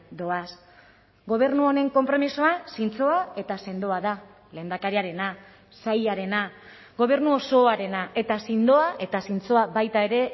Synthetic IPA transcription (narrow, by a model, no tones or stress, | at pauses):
d̪o̞as | ɡo̞β̞e̞ɾnuo̞ne̞ŋko̞mpɾo̞miso̞asint͡so̞ae̞t̪ase̞nd̪o̞aða | le̞ːnd̪akaɾiaɾe̞na | sajaɾe̞na | ɡo̞β̞e̞ɾnuoso̞aɾe̞naʔe̞t̪asind̪o̞aʔe̞t̪asint͡so̞aβajt̪ae̞ɾe̞